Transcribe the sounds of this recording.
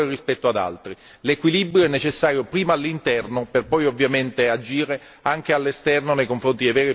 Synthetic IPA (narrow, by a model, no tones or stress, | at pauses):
ɾerispɛt̪ːoad̪a̰lt̪ɾi | lekwilibɾjoɛnːet͡ʃesːaːɾjopɾiːmaalːint̪ɛrnoperpɔjovːjament̪ead͡ʒiːɾe | aŋk̟ealːest̪ɛrnonejkoɱfɾont̪id̪ejvɛːɾi